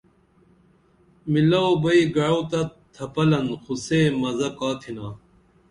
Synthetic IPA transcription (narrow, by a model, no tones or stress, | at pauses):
milɐobɐiɡɐɻot̪ɐt̪ʰɐpɐlɐnxuseːmɐzɐkaːt̪ʰinaː